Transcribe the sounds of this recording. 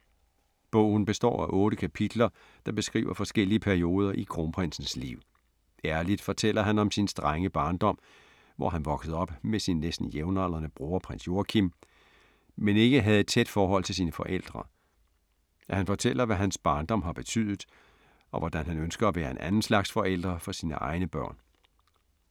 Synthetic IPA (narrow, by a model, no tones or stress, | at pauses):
b̥ɔ̰̽ʊ̰n̩b̥e̝sd̥ɒ̰ːæʔɔ̽ːɾəkʰæpʰid̥lɐ | d̥ɑ̈b̥e̝sɡ̥ʁḭːʊɐfɒ̽sɡ̥el̰iəpʰæɐio̝ːð̞ˠɐʔikʰʁo̝ːnpʰʁensn̩slḭʊ̰ | æɐlid̥fɒ̽t͡sʰel̰ɐɦænɒ̽msinsd̥ʁaŋəb̥ɑ̈ːnd̥ɒ̽m̰ | ʋɒ̰ɦænʋɒ̽ɡ̥səð̞̩ˠɒ̽b̥mesinːesd̥n̩jeʊnɑl̰ɐnəb̥ʁuːɐpʰʁen̰sjo̝ɐkʰim | mene̝ɡ̥əɦæð̞̩ˠe̝d̥̚t͡sʰed̥fɒːɦɒ̽l̰t͡sʰe̝siːnəfɒ̽ʔel̰d̥ʁɐ | æhænfɒ̽t͡sʰel̰ɐʋæɦænsb̥ɑ̈ːnd̥ɒ̽m̰ɦɑ̈b̥e̝t͡sʰyð̰ˠð̩ˠ | ɒ̽ʋɒd̥ænɦænønsɡ̥ɐæʋæːɐe̝nʔænn̩slɑ̈ɡ̥sfɒ̽ʔel̰d̥ʁɐfɒ̽siːnəʔɑ̈ɪnəb̥ɶɐ̰n